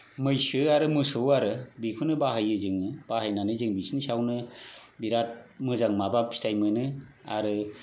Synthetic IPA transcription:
mɯjsɯaɾɯmɯsɯwaɾɯbikʰunɯbaɦajɯzɯŋɯb̥aɦajnanɯzɯŋbisinsawnɯbiɾat̚mɯzaŋmabapʰi̥tʰajmɯnɯa̰ɾɯ

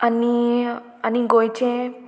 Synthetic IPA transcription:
ɐni | ɐniɡojt͡ʃʰẽ

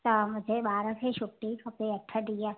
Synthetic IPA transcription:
t̪amʊd͡ʒʱebaːɾə̃kʰeʃʊʈːikɐpeɐʈʰːad̪ijaː

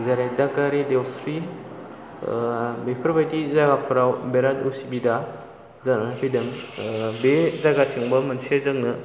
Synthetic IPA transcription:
zaɾedakaɾidewsɾi | bepʰɐɾbajtizaɡapʰɯɾawbeɾatusibida | zanɯhʰidɯŋbezaɡatʰiŋbɐmɐnsezaŋnɯ

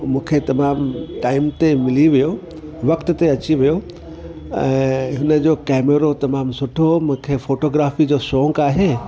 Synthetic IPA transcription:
mũːkʰet̪ɐmaːmʈaːɪmt̪emɪliʋijo | ʋɐkt̪ʊ̆t̪eɐt͡ɕiʋijo | ɛ̰̃ːɦʊnə̆d͡ʑoːkɛːmeɾot̪ɐmaːmsʊʈʰomũːkʰefoːʈoːɡɾaːfid͡ʑoːsɔːŋɡaːɦeː

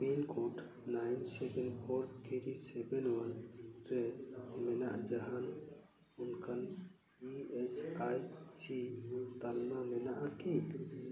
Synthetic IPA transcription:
pinkʰoʈ | najnsɛkɛnkʰoɾt̪ʰiɾisɛbɛnwanɾɛmɛna̰ʔd͡ʒaɦan | unkʰan | iɛsajsit̪almamɛnaʔaki

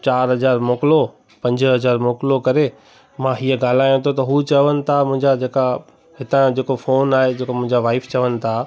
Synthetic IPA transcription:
t͡ɕaːɾɦɐzaːɾmoːkɪlo | pɐ̃ɲd͡ʑɦɐzaːɾmoːkɪlokɐɾe | mãːɦiːəɡaːl̤aːjũt̪ʰot̪ɐɦut͡ɕɐʋənɪ̆t̪ʰamʊ̃ɦɪ̃ɲd͡ʑad͡ʑeːka | ɦɪt̪ãd͡ʑeːkofoːnaːɦed͡ʑeːkomʊ̃ɦɪ̃ɲd͡ʑaʋaːɪft͡ɕɐʋənɪ̆t̪ʰa

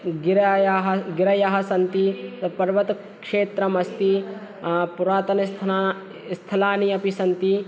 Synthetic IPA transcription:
ɡiɾjɦɐɡiɾɐjɐɦɐsɐnt̪itpɐɾʋɐt̪ | kʂeːt̪ɾɐmɐst̪i | puɾaːt̪ɐnɐst̪ʰ | st̪ʰɐlaːniɐpisɐnt̪i

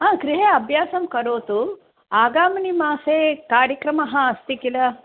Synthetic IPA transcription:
ɦãːkɾiɦeɐbʱjaːsɐmkɐɾoːt̪u | aːɡaːmɐnimaːsekaːɾjɐkɾɐmɐɦɐ̃ɐst̪ikilɐ

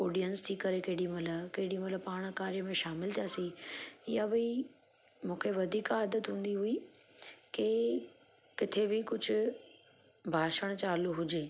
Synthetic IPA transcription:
oːɖijənst̪ʰikɐɾekɐɦɪɗimɐləkɐɦɪɽĩmɐt̪ləbpaːɽ̃kaːɾijəmẽʃaːmɪlt̪ʰijaːsiɪjabi | mũːkʰeʋɐd̪ʱiːkaːd̪ət̪ɦũːn̆d̪iɦui | ke | kɪt̪ʰebɪkʊd͡ʑʱʊ̆ | bʱaːʃəɽ̃t͡ɕaːluɦʊd͡ʑeː

